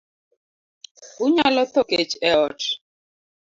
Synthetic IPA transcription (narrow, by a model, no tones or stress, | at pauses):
uɲalɔt̪ɔket͡ʃɛɔt